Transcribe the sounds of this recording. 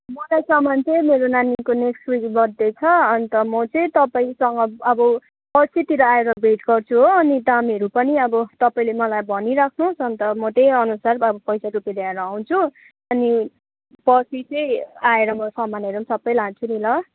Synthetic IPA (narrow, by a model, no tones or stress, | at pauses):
mʌlajsʌmant͡semeɾonanikoneksʈwikbʌd̪ːejt͡sʰʌʌnt̪ʌmʌt͡sʌĩt̪ʌpaĩsʌŋɡʌʌbʌ | pʌsʰit̪iɾʌaeɾʌbʱeʈɡʌrt͡sʰuɦoʌnid̪amiʌɾupʌniʌbʌt̪ʌpaĩlemʌlajbʱʌniɾakʰnusʌnt̪ʌmʌt̪ejʌnusarʌbʌpʌjsaɾupeɾeaɾʌaw̃t͡sʰu | ʌni | pʌsʰit͡sʌj̃aeɾʌmʌsʌmaneɾʌmsʌbʌjlãnt͡sʰunilʌ